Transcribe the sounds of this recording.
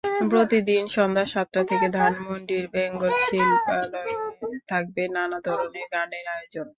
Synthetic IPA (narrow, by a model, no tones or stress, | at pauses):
pɾot̪id̪inʃɔnd̪ʱaʃat̪ːɾat̪ʰeked̪ʱanmonɖiɾbɛŋɡolʃilpalɔt̪ʰak̚benanad̪ʱɔɾoneɾɡaneɾajod͡ʑon